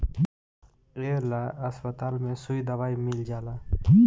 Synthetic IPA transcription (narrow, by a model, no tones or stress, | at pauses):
eːlaɐspət̪aːlmẽsʊid̪ɐʋaːimɪld͡ʒaːlaː